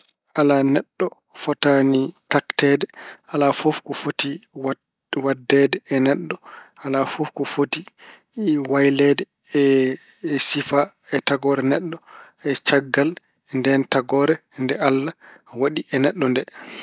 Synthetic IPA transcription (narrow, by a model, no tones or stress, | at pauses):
ʔalanɛɗːɔ | fɔtanitaktɛːdɛʔalafofkɔfotiw | wadːɛdɛːnɛɗːɔalafofkɔfoti | wajlɛdɛ | ɛ | sifa | ɛtaɡɔɾɛnɛɗːɔ | ɛt͡ʃaɡːal | ndɛntaɡɔːɾɛndɛalːawaɗiʔɛnɛɗːɔndɛ